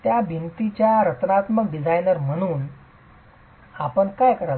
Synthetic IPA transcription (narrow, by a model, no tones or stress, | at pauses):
t̪jabint̪it͡ɕjaɾət̪nat̪məkɖid͡zʱajnəɾm̤əɽ̃uːn | apəɳkajkəɾa